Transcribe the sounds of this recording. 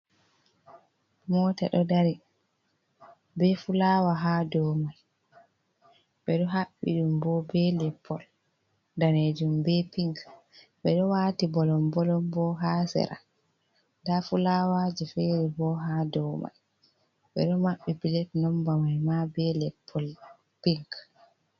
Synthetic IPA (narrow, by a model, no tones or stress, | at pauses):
mɔːtaɗɔdaɾi | bɛfulaːwaɦaːdɔwmaj | ɓɛɗɔɦaɓːḭɗumbɔbɛlɛpʰːɔl | daned͡ʒumbɛpiŋka | bɛɗɔwaːtibɔlɔmbɔlɔmbɔɦasɛ̰ɾa̰ | dafulawad͡ʒɛfeɾibɔɦadɔwma̰j | ɓɛ̰ɗɔmaɓːibilɛtnɔmbamajmabɛlɛpʰːɔl | piŋk